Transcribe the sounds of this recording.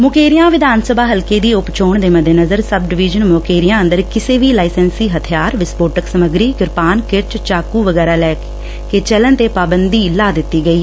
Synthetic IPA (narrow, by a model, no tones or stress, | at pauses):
mʊkeːɾɪjãːʋɪd̪aːnsəbaːɦəlkeːd̪iːʊpt͡ʃoːɳd̪eːməd̪enəzəɾsəb̚ɖɪʋɪːd͡ʒənmoːkeːɾɪjãːənd̪əɾkɪseːʋiːlaːɪsɛnsiːɦət̪ʰɪjaːɾʋɪspoːʈəksəməɡɾiːkɪɾpaːnkɪɾt͡ʃt͡ʃaːkuːʋəɡɛːɾaːlɛːk | ket͡ʃələnt̪eːpaːbənd̪iːlaːd̪ɪt̪ːiːɡəiː